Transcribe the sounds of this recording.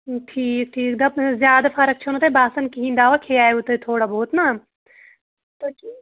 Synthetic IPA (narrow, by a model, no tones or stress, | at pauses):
ʈʰiːk̚ʈʰiːkd̪ɐbzjaːd̪afɐɾək̚t͡ʃʰɐnut̪ebaːsɐnkiɦĩnd̪aːʋakʰeaːeut̪et̪ʰoːɽabɔːt̪naː | t̪oʈʰiː